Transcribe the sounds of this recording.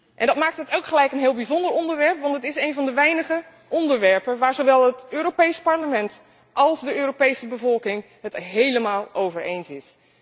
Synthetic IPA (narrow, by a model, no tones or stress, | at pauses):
ʔɛndɑtmaːk̚tətowkχəlɛjkənɦɪːlˠbizɔndəɹɔndəɹʋɛɹpʋɑntətɪsejnvɑndəʋɛjnəχə | ʔɔndəɹʋɛɹpənʋaːɹzoʋɛlˠətøːɾopejspɑɹləmɛnt | ʔɑlˠzdəøːɾopejsəbəvɔlˠkɪŋ | ɦətɦejləmaːlˠowvəɹejnsɪs